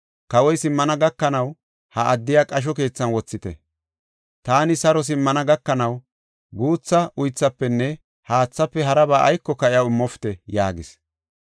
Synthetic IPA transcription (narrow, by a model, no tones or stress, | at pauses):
kɐwɔjsɪmːɐnɐɡɐkːɐnɐw | hɐʔɐd̪ːɪjaːkʼɐʃ̬ɔke̞ːt͡sːɐnwɔt͡sːɪt̪ɛ̰ | t̪aːnɪsɐɾɔs̬ɪmːɐnɐɡɐkːɐnɐw | ɡuːt͡sːɐʔʊjt͡sːɐpːɛnːɛ | haːt͡sːɐpːɛɦɐɾɐbaːʔɐ̰jkːɔkɐʔɪjɐwɪmːɔfɪ̥t̪ɛjaːɡɪs